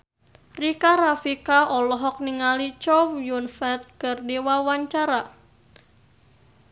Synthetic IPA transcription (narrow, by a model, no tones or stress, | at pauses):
rikaɾafikaɔlɔɦɔk̚niŋalit͡ʃɔwjunfɛt̪̚kɨrdiwawaɲt͡ʃaɾa